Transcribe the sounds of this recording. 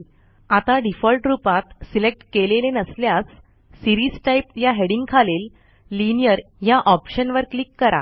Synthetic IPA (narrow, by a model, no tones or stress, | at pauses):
at̪aɖifɔlʈɾupat̪silek̚ʈkelelenəsljas | siɾiːsʈaipjaɦeɽĩŋɡkʰalelː | inijəɾjaʔɔpɕənʋəɾklikːəɾa̰